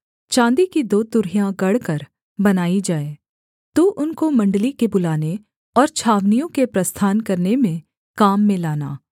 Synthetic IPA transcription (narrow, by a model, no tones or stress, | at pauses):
t͡ʃãːnd̪ikid̪oːt̪ʊɾɦijãɡɐɽkɐɾ | bɐnaːid͡ʒaːeː | t̪uʔʊnkomɐ̃ɳɖlikebʊlaːne | ɔːɾt͡ʃʰaːʋnijõkepɾɐst̪ʰaːnkɐɾnemẽ | kaːmːẽlaːna̰ː